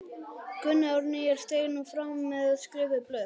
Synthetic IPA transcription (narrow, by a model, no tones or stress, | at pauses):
kʏnːawɾnɪɛɾ̥st̪eːjnufɾamːɛðaðskɾɪːvɪplœːð